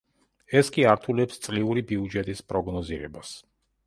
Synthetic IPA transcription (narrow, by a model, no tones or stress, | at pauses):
ɛskʼiaɾt̪ʰulɛpst̪sʼliuɾibiud͡ʒɛt̪ʼispʼɾɔɡnɔziɾɛ̰bas